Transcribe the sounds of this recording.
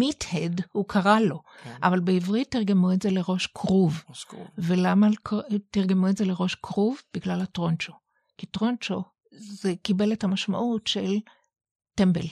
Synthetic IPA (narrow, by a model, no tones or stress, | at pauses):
mithedhukʰaʁalo̞ʔavalbeivʁit̪ːiʁɡemuetzeleʁo̞ʃkʰʁuvvelamaktiʁɡemuetzeleʁo̞ʃkʰʁuvbiɡlalatʁont͡ʃo | kitʁont͡ʃo | zekibe̞lethamaʃma̰ʔutʃel | tembel